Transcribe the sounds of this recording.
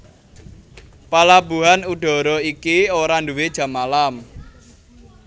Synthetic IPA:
palabṳɦanuɖ̥ɔ̤ɾɔikioɾanduwed̥ʒ̥a̤malam

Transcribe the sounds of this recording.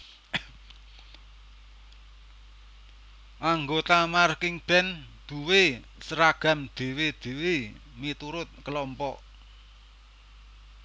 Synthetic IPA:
ʔaŋɡot̪amarkɪŋb̥ɛn | d̪̥ṳwe | səɾaɡ̥a̤md̪̥e̤wed̪̥e̤we | mit̪uɾʊt̪̚kəlɔmpɔʔ

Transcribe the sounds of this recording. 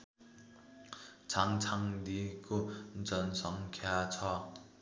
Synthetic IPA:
t͡sʰaŋt͡sʰaŋd̪ikod͡zʌnsʌŋkʰeat͡sʰʌ

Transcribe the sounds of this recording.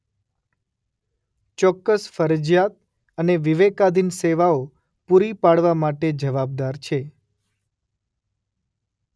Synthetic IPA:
t͡ʃɔkːəsfəɾəd͡ʒjat̪̚ | əneʋiʋekad̪ʱinseʋao | puɾipaɽʋamaʈed͡ʒəʋab̚d̪aɾt͡ʃʰe

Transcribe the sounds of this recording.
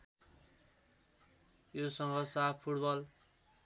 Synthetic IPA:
josʌŋɡʌsapʰuʈbʌl

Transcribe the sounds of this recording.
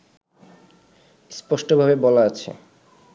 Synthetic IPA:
spɔʃʈobʱabebɔlaat͡ɕʰḛ

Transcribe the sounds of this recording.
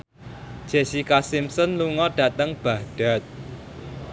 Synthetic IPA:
d̥ʒ̥esikasimsɔnluŋɔɖ̥a̤t̪əŋb̥ä̤hɖ̥a̤t̪̚

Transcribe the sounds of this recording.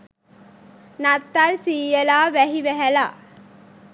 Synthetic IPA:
nɐt̪ːaːlsiːjɐlaːʋɐɦiʋɛɦɐla̰ː

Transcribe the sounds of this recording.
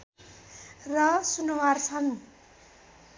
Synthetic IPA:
rʌsunwart͡sʰʌn

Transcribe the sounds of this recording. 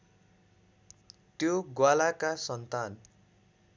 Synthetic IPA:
t̪joɡwalakasʌnt̪an

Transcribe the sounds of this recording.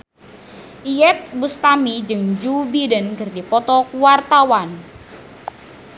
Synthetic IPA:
ʔijɛt̪̚bust̪amid͡ʒɨŋd͡ʒubidənɡərdipɔt̪ɔkuwart̪awan

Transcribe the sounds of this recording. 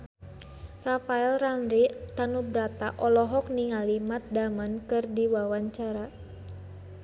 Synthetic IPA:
rafaɛlranɾit̪anubɾat̪aʔɔlɔɦɔk̚niŋalimat̪̚damankɨrdiwawaɲt͡ʃaɾa

